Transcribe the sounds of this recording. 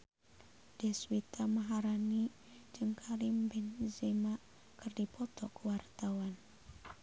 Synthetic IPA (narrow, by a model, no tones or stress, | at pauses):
d̥ɛswit̪amaɦaɾani | d͡ʒɨŋkʰaɾimbɛnzemaʔ | kɨrdipɔt̪ɔkəwart̪awan